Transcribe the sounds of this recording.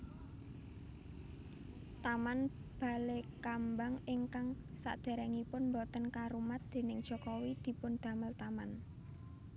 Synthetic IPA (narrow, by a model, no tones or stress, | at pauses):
t̪amanb̥a̤lekambaŋɪŋkaŋ | sa̰ʔd̪̥e̤ɾɛŋipʊnmbɔt̪ənkaɾumat̪̚d̪̥e̤nɪŋd̥ʒ̥ɔ̤kɔwid̪̥i̤pʊnd̪̥ä̤məlt̪aman